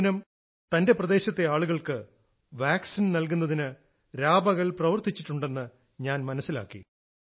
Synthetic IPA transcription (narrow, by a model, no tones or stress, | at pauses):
nɐm | t̪ɐnde̞prɐd̪e̞ːɕɐt̪ːeaːɭuɣɐɭkɨ | ʋaːksinnɐlkunːɐðinɨ | ɾaːbɐɣɐɭprɐʋɐrt̪ːit͡ɕːiʈːuɳɖe̞nːɨ | ɲaːnmɐnɐsːila̰ːkːḭ